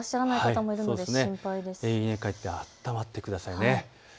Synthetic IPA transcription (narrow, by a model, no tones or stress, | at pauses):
aɕiɾanaiakait̪amo̞iɾɯnod̪eseĩmpaid̪e̞seiẽkait̪ːe̞at̪ːamat̪ːe̞kɯ̟d̪asaine